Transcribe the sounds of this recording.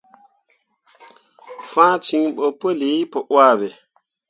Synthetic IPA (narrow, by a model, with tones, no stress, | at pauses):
fã˦ti˨ŋɓo˨po˦li˨˦po˨ʔwa˦˨bɛ˨